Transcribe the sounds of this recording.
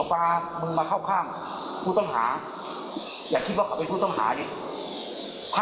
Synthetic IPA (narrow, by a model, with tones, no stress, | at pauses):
maː˧ | mɯ˧ŋmaː˧kʰa˥˩wkʰaː˥˩m | pʰuː˥˩t̪ɔ˥˩ŋɦa̰ː˩˦ | jaː˨˩kʰi˧˥˩wkʰa˨˩pe˧npʰuː˥˩t̪ɔ˥˩ŋɦa̰ː˩˦ni˧˩ | kʰː